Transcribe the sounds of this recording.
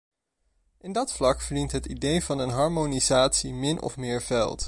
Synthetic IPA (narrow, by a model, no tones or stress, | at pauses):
ʔɪndɑtflɑkfəɹdintɦətidejvɑnənɦɑɹmonizaːtsimɪnʔɔ̰fmɪːɹvɛ̰lˠt